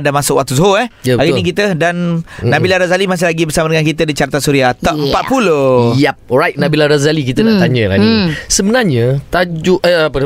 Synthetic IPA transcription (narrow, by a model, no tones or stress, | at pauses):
damasʊkwak̚t̪us̬ɦoɛhjaɡinik̬it̪ədanːabilaɾazalimas̬ɪlaɡibərsamadəŋankit̪ədit͡ʃart̪asuɾiat̪ɔəmpat̪̚pulojɛp̚ɔɹajt̚nabilaɾazalikit̪ənaʔt̪aɲəla̰ɡisəmənarɲət̪ad͡ʒuʔʔəapə